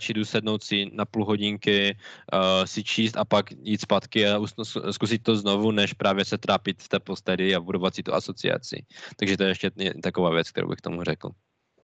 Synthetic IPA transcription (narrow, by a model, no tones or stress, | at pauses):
t͡ʃidusɛdnowt̪sɪnapulɦo̞ɟɪŋkɪ | sɪt͡ʃiːst̪apakjiːt̪spat̪kɪausskus̬ɪt̚t̪oznovunɛʃpɾaːvjɛsɛt̪ɾaːpɪt̪ft̪ɛːpost̪ɛdɪabudovat̪sɪt̪uʔaso̞t͡sɪ̰a̰t͡sɪ̰t̪aɡʒɛt̪ojɛɛʃcɛɛt̪akovaːvjɛt͡sk̚t̪ɛ̰ɾo̰wbɪ̰kt̪o̰murɛkl̩